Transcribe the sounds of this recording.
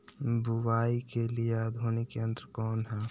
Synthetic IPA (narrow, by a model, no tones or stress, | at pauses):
bʊwaːikeliejaːd̪ɦoːnekeə̃nd̪əɾkɔːnɦɛː